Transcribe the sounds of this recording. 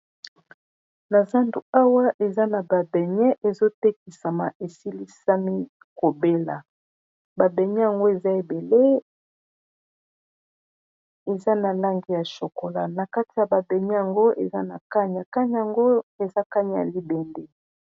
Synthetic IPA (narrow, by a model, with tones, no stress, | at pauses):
na˨za˦ndu˨a˦wa˦ʔe˨za˦na˨ba˨bɛ˨ɲɛ˦ʔe˨zo˦tɛ˦ki˨sa˨ma̰˨ʔe˨si˦li˦sa˦mi˦ | ko˨be˦la̰˨ | ba˨bɛ˨ɲɛ˦ja˨ŋɡo˦e˨za˦e˨be˨le˦ | e˨za˦na˨la˦ŋɡi˦ja˨ʃo˨ko˨la˦na˨ka˦ti˨ja˨ba˨bɛ˨ɲɛ˦ja˨ŋɡo˦ḛ˨za˦na˨ka˦ɲ˨a˨ka˦ɲ˦a˨ŋɡo˦e˨za˦ka˦ɲ˨ja̰˨li˦bɛ˨nde˦